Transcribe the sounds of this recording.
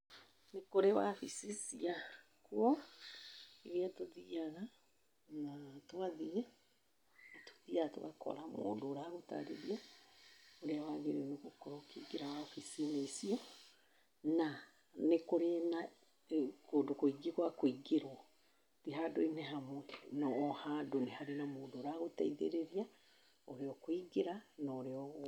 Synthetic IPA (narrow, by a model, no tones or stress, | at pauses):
nekoɾewa̰fisisia | kuɔ | eɣeatoðiaɣa | natwaðia | to̥ðiato̰ɣakʰɔ̰ɾamo̰ːndoːɾaɣota̰ɾḛɾia | oɾeawaɣeɾnoɣokɔɾokiɡeɾawafisineisiɔ | na | nekoɾena | koːdokoiɡeɣwakoiɡeɾwɔ | tiɦadoinɛɦamwɛnɔːhadonehaɾenamoːndoːɾaɣotɛ̰iðḛɾeɾia | oɾeɔkwiɡeɾanɔːɾeɔɣ